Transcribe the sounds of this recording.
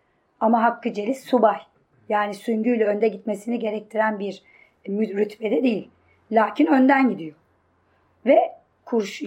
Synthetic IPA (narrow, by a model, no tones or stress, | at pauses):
amaɦakːɯd͡ʒelʲisːubaj | jaːnisyɲɟyjlʲɛønd̪ɛɟit̪me̞siniɟe̞ɾɛc̚t̪ʰiɾænbiɾ | myɾyt̪bed̪ɛd̪ejilʲ | lʲaːcʰinø̞nd̪ænɟid̪ijo | vɛ | kʰuɾʃ